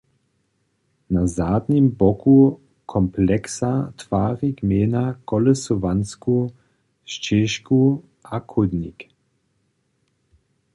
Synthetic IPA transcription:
nazaːd̪nimbɔku | kʰɔmplɛksatvaːʁiɡmeːnakɔlɛsuvansku | ʃt͡ʃeːʃku | akʰud̪nik

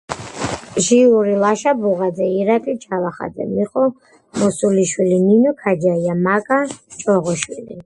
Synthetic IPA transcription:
ʒiuɾilaʃabuʁad̪zɛiɾakʼit͡ʃʰavaχa̰d̪zɛ̰miχʼɔ | mɔsuliʃwilininɔkʰad͡ʒaiamakʼat͡ʃʼɔʁɔʃwilḭ

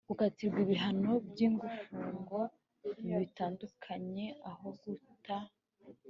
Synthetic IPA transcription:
ukatiɾɡwiβiɦano̞bjiːŋɡufuŋɡo̞ | niβitaːndukʰaɲe̞ahoɡuta

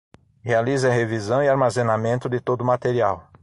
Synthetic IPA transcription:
healizɐɦevizɐ̃w̃ɪaɾmazenamẽnt̪ʊd̪ɪt̪od̪ʊmat̪eɾiaw

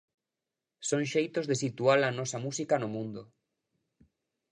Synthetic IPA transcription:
sõŋʃejt̪ozðesit̪ualɐnɔsɐmusikɐnʊmũnd̪o

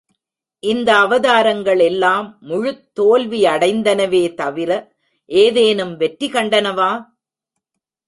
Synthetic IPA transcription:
ʔɪnd̪ɐːʋɐðaːɾɐŋɡɐɭɛlːaːmːʊɻɯt̪ːoːlʋiɐɽɐɪnd̪ɐnɐʋeːt̪ɐʋɪɾɐ | ʔeːðeːnɯmʋɛʈɾɪkɐɳɖɐnɐʋaː

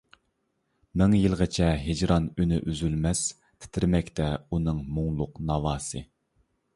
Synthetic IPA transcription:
mɪŋjilˠʁət͡ʃʰɛɦɪd͡ʒɾɑnynɪʔyzylmɛs | t̪ʰɪ̥t̪ʰɪɾmɛkʲt̪ʰɛunɨŋmuŋlˠʊqnɑvɑːsɨ

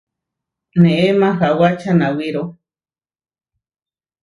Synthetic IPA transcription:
nẽʔemãɦawat͡ʃʰanawiɾo

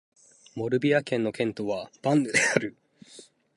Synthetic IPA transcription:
mo̞ɾɯ̟bʲiakẽ̞nːo̞kẽ̞nt̪o̞βab̥ãnːɯ̟d̪e̞aɾɯ̟

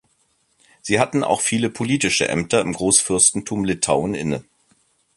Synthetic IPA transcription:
z̥iːhatn̩a̰ʊxfiːləpʰoliːtɪʃə̰ʔɛ̰mtɐɪmɡʁoːsfɪɐstn̩tʰuːmlɪtʰaʊnɪ̰nə

